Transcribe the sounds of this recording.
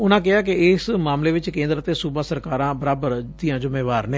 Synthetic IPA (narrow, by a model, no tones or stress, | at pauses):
ʊnãːk̬ɪaːk̬ɪɪsmaːmleːʋɪt͡ʃkẽːnd̪ɾət̪eːsuːbaːsəɾkaːɾãːbəɾaːbəɾd̪ijãːd͡ʒʊmeːʋaːɾnẽː